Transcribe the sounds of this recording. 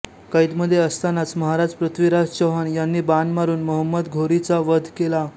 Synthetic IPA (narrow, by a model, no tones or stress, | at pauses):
kəit̪məd̪ʱːjeəst̪anat͡sməɦaɾad͡zpɾət̪ʰʋiɾad͡zt͡ɕəɦanjanːiːbanmaɾuːnməɦəmːəd̪ɡʱoɾit͡saʋəd̪ʱkela